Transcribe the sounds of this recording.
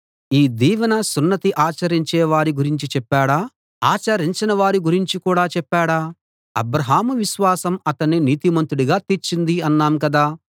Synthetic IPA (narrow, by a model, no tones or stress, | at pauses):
iːd̪iːʋɐnɐsunːɐt̪iʔaːt͡ʃɐɾiɲt͡ʃɛːʋaːɾiɡuɾiɲt͡ʃit͡ʃɛpːaːɽaː | aːt͡ʃɐɾiɲt͡ʃinɐʋaːɾiɡuɾiɲt͡ʃikuːɽaːt͡ʃɛpːaːɽaː | ɐ̰bɾɐɦaːmuʋiʃʋaːsɐmɐt̪ɐnːiniːt̪imɐnt̪uɽuɡaːt̪iɾt͡ʃind̪iɐnːaːmkɐd̪aː